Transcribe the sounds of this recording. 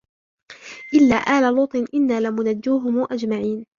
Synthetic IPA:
ʔɪlːaːʔaːlalʊːt̪ˤɨnʔɪnːaːlɪmʊnad͡ʒːuːɦʊmuːʔad͡ʒmaʕiːn

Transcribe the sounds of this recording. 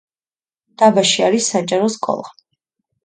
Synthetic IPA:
d̪̥abaʃiaɾisːat͡ʃʼaɾɔskʼɔ̰lˠa

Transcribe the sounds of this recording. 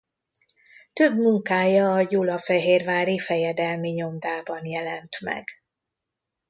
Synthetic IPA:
t̪øbmuŋkaːjɒːjulɒfɛɦeːrvaːɾifɛjɛd̪ɛlmiɲo̞md̪aːbɒnjɛlɛnt̪mɛ̰ɡ

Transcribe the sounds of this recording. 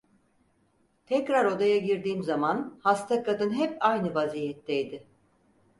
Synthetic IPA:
t̪ʰɛcɾaɾo̞d̪ajaɟiɾd̪iːmzamanhast̪ʰakʰad̪ɯnɦɛpajnɯvaziːjɛt̪ʰːɛjd̪ɪ

